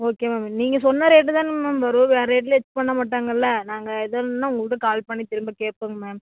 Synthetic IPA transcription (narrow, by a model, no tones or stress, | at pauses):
oːkeːmaːmeniːŋɡɐsɔnːɐɾeːʈ̬ːɯt̪ãːnmɐːmʋɐɾʊ̃ʋeːɾɐeːʈ̬ːlɛt͡ʃːpɐɳːɐmaːʈːaːŋɡɐɪlːɐnaːŋɡɐɛðɐnːaːʊŋɡɐɭɯʈːɯkaːlpɐɳːit̪ɪɾɯmbɐkeːʈ̚poːŋɡɐmeːm